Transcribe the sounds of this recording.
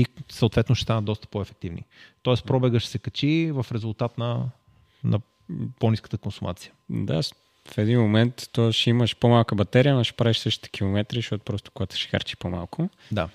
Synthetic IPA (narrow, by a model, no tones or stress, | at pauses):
isəoːt̪vɛt̪nʊʃɛ̥st̪anəd̪d̪ɔst̪ə̥poɛfɛk̚t̪ivnḭt̪ɔɛspɾɔbɛɡəʃsɛkɐt͡ʃivɐfɾɛzulˠt̪at̪nɐ | nɐ̰ | poniskə̥t̪əkonsʊmʔa̰t̪sijəd̪a̰ | fɛd̪inmomɛnt̪ːɔʃiməʃpomalˠkəbɐt̪ɛɾijənoʃɛ̥pɾaviʃsɤʃt̪i̥t̪ɛ̥k̟ʰilˠomɛt̪ɾizʃt̪ɔt̪o̥pɾɔst̪o̥koɡat̪ʊ̥ʃɛ̥xa̰ɾt͡ʃi̥poma̰lˠkʰʊ | d̪a